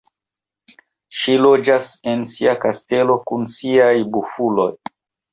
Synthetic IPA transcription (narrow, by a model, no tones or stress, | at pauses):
ʃilo̞d͡ʒase̞nsiakaste̞lo̞kunsiajbufulo̞j